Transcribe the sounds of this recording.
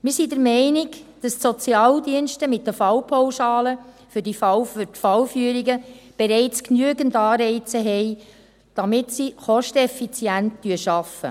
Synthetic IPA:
mɪɾsidəɾmɛɪnɪɡd̥ɑstsɔt͡sjɑːldiənʃtəmɪt̚dəfɑwpʰowʃɑːlə | fʏɾdifɑwfʏtfɑwfyːəɾiɡəb̥ɛɾɛɪt͡sknyəɡəndɑːɾɛɪt͡səɦɛɪ | d̥ɑmɪtsiχɔʃtɛfit͡sjæntd̥yəʃɑfə̰

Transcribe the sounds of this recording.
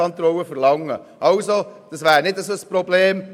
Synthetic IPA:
ɑnt̪ɾɔwəfərlɑŋːə | ʔɑʊsod̥ɑsvæːɾnɪdəsoəsprobleːm

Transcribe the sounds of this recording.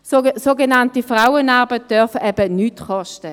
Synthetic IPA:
sosoɡenɑntifʁaʊənɑʁbət̚d̥œɐfɛb̥ənyːtχɔʃtə

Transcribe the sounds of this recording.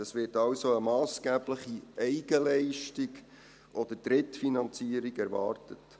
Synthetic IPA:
ɑsʋɪɾtɑlsoəmɑːsɡ̥æːbləχiɛɪɡəlɛɪʃtiɡ | ʔɔd̥̪əd̥ɾɪtfinɑnt͡siːəɾiɡɛɾʋɑ̰ːɾtət

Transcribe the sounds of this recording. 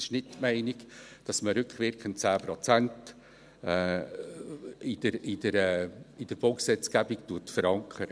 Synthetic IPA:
ɪʃnɪttmɛɪnɪkd̥ɑsməɾʏkχʋɪɾkχən̩t̚t͡sæːprɔt͡sænt | ɛː | ɪdəɾɪdəɾɛːɪd̥əɾb̥olksɛt͡sɡ̥æbiktutfəɾɑŋkʰəɾə

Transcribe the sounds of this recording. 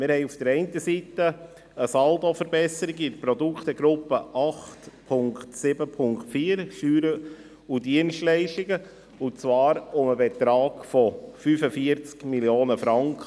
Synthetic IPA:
mɪɾhɛɪufd̥əɾɛɪntəsitə | əsɑld̪ofəɾbɛsəɾiɡidəpɾɔdukχt̪əɡɾʊpːəʔɑχtpʰʊŋktsɪbəpʰʊŋktfiːəɾʃyːɾə | udiənstlɛɪʃtɪɡə | ʊt͡svɑːɾʊməbɛt̪ɾɑːɡ̥fɔfyfəfiəɾt͡skmiljoːnəfɾɑŋkχə

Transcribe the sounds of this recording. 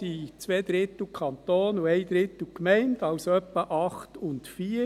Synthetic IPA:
iːt͡sʋeːd̪ɾɪt̪l̩kʰɑnt̪oːnʊɛɪd̪ɾɪt̪l̩kmɛɪndɑʊsœpːəʔɑχt̪ʊntfiː

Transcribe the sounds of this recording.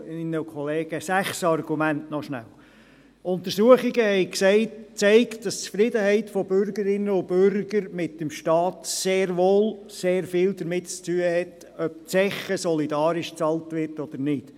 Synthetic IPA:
ɪnːəkʰɔleːɡ̥əsæχsɑrɡ̥umæntnɔʃnæ̰l | ʔʊntəɾsuəχɪɡəhɛɪksɛɪtt͡sɛɪktd̥ɑst͡sfɾɪdəhɛɪtfɔbʏɾɡəɾɪnːəʊb̥ʏɾɡ̥əɾmɪtdəmʃtɑːt̪seːɾʋoːl | seːɾfɪːldəɾmɪtt͡styːəhɛt | œb̚t͡sɛχəsɔlidɑːɾɪʃt͡sɑltʋɪɾtɔd̪̥əɾnɪd̥

